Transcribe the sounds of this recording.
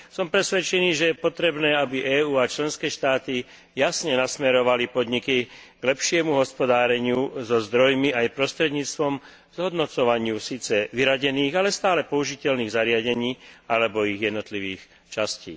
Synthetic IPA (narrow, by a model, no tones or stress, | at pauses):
sɔmpɾɛsʋɛt͡ʃɛniːʒɛjɛpɔt̪ɾɛbnɛːabiʔɛːuːat͡ʃlɛnskɛːʃt̪aːt̪i | jasɲɛnasmɛɾɔʋalipɔd̪ɲiki | ɡ̥lɛpʃɪɛmuɦɔspɔd̪aːɾɛɲɪuzɔzd̪ɾɔjmiajpɾɔst̪ɾɛd̪ɲiːt͡st̪ʋɔm | z̥ɦɔd̪nɔt͡sɔʋaɲɪusiːt͡sɛʋiɾaɟɛniːɣalɛst̪aːlɛpɔuʒicɛlniːɣzaɾɪaɟɛɲiːalɛbɔiɣjɛd̪nɔt̪liʋḭːx | t͡ʃascḭː